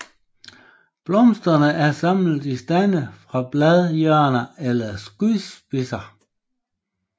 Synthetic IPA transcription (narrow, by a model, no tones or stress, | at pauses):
b̥lɒ̽msd̥ʁɐnəʔæɐsɑ̈m̰l̩disd̥ænəfʁɑ̈b̥læðˠjœɐ̰nɐelɐsɡ̥yðsb̥isɐ